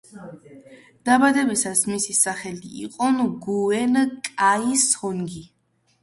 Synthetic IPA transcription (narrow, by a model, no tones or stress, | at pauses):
d̪̥abad̪ɛbisasmisisaχɛlḭːqʼɔnɡuɛnkʼaisɔŋɡi